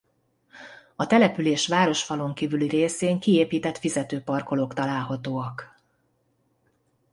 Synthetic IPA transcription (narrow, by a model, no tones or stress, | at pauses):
ɒt̪ɛlɛpyleːʃʋaːɾo̞ʃfɒlo̞ŋkiːvylireːseːŋkieːpiːt̪ɛt̪fizɛt̪øːpɒrko̞lokt̪ɒlaːlɦɒt̪oːɒk